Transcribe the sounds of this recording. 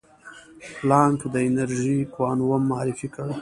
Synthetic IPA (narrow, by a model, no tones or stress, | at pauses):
plɑŋkd̪əɪnaɾʒikwɑnwəmːaːɾɪfikəɽ